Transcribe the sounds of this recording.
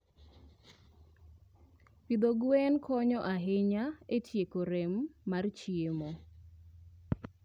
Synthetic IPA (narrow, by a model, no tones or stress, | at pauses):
pid̪oɡwɛnkʰɔɲɔʔaɦɪɲaetʰjekoɾemːart͡ʃiemo